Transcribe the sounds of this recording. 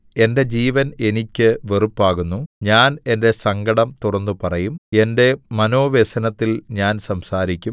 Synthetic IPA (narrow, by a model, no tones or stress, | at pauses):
e̞nde̞d͡ʑiːʋɐne̞nikʲːɨʋe̞rupːaːɣunːuɲaːne̞nde̞sɐŋɡɐɽɐmt̪uɽɐnːupɐrɐjume̞nde̞mɐno̞ːʋesɐnɐt̪ːilɲaːnsɐmsaːɾikʲːum